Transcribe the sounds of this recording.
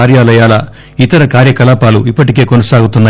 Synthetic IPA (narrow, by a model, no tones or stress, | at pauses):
aːɾjaːlɐjaːlɐ | it̪ɐɾɐkaːɾjɐkɐlaːpaːluipːɐʈike̞ːko̞nɐsaːɡut̪unːa